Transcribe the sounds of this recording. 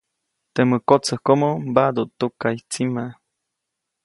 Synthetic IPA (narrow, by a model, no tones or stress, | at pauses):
t̪eməkot͡səhkomombad̪ot̪ukait͡sima